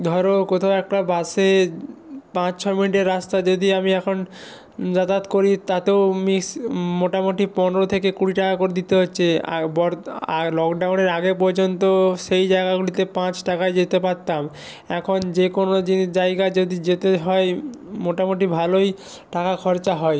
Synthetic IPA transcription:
d̪ʱɔɾokot̪ʰaoɛk̚ʈabase | pãt͡ɕt͡ɕʰɔjminiʈeɾːast̪ad͡ʑod̪iamiɛkʰon | d͡ʑat̪at̪koɾit̪at̪ewmiksmoʈamoʈipɔnɾot̪ʰekekuɽiʈakakoɾed̪it̪eɦotːɕʰḛbɔɾalɔkɖawneɾaɡep̬ɔɾd͡ʑont̪oʃejd͡ʑaeɡaɡulit̪epãt͡ɕʈakaed͡ʑet̪epaɾt̪ːam | ɛkʰond͡ʑekonod͡ʑind͡ʑaeɡad͡ʑod̪id͡ʑet̪eɦɔemoʈamoʈibʱaloj | ʈakakʰɔɾt͡ɕaɦɔe

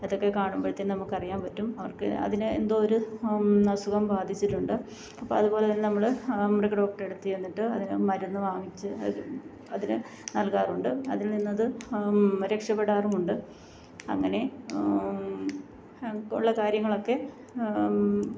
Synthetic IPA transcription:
ɐðo̞kːe̞kaːɳumboːt̪ːennɐmːukːɐrijːaːmpɐtːumɐʋɐrkɨ̰ɐ̰ðinɨḛnd̪o̞ːɾunɐsuɣɐmbaːd̪ʱit͡ɕːiʈːuɳɖɨ | ɐpːo̰ɭɐðupo̞ːleðinnɐmːɐɭmrekɖo̞ːk̚ʈɐre̞ɽut̪ːijenːiʈːɨɐðinɨmɐɾunːɨʋaːŋit͡ɕːɨɐ | ɐðinɨ | nɐlkaːruɳɖɨɐ̰ðilninːɐðɨ | ɾekʂɐpːeɽaːrumuɳɖɨ | ɐ̰ŋːɐne̞ | ṵɭːɐkaːɾjɐŋːɐɭo̞kːe̞

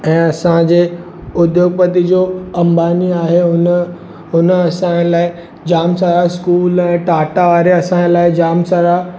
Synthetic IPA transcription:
ɛ̃ːɐsãd͡ʑeː | ʊd̪joːɡ̚pət̪id͡ʑoːɐ̃mbaːniaːɦeʊn | ɦʊnəɐsãlaːɪ | d͡ʑaːmsaːɾaskuːlɛ̃ːʈaːʈaʋaːɾeɐsãelaːɪd͡ʑaːmsaːɾa

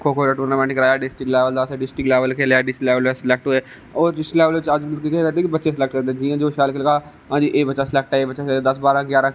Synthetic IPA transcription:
kʰoːkʰoːlaʈuːɾnamãːnɪkɾaːjaːɖɪsʈɪklɛːʋəld̪aːseɖɪsʈɪklɛːʋəlkʰeːlaɖɪsʈlɛːʋəlesɪlɛːk̚ʈɦʊeː | oːɾɖɪsʈlɛːʋəlʋɪt͡ʃaːd͡ʒlkikeəɾt̪ẽkibətːʃesɪlɛːk̚ʈ̚kəɾd̪ẽd͡ʒiːãːd͡ʒoːʃaːlklkaː | ãːd͡ʒiːʔeːbətːʃasɪlɛːk̚ʈaeːbətːʃaseːed̪əsbaːɾãɡjaːɾã

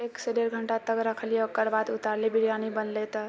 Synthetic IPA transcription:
ekseɖeɾɡʱəɳʈat̪əkɾəkʰəlijekəɾbad̪ut̪aɾlebiɽijanibənlet̪ə

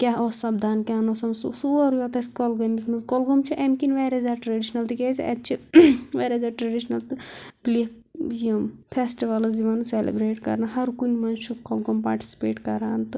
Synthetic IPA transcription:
kʲaːɦosɐbd̪ʱaːnkʲanosɐmsusuɐɾjot̪ɐsʲkolɡɐmismɐzkɔlɡomt͡ʃʰiʔemkinʋeːɾezaːʈɾeɖiʃnɐlt̪ɨkezḭʔɐ̰t̪t͡ʃʰiʋeɾezaːʈɾɐɖiʃnɐlt̪ɨpli | jimpʰesʈiʋɐlɨziʋɐnuselḛbɾeːʈkɐ̰ɾnɐɦɐɾkunʲmɐnt͡ʃʰukɔlɡompa̰ːɾʈi̥si̥pḛːʈkɐɾaːnt̪ɨ

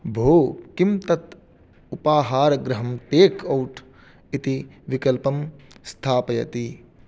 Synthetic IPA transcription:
bʱoːkimt̪ɐt̪ | upaːɦaːɾɐɡɾɐɦɐmʈeːkʰɐwʈʰ | it̪iʋikɐlpɐmst̪ʰaːpɐjɐ̰t̪i

